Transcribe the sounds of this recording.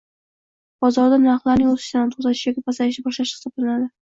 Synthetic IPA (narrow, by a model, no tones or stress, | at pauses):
b̥ɒzɒɾd̪anaɾχlˠaɾnɪŋozɪ̥ʃt̪aant̪ʰozat̪ʰɪ̥ʃjɒkʲɪpʰasaɪʃɪbɒʃlaʃχɨ̥sɒblanad̪ɪ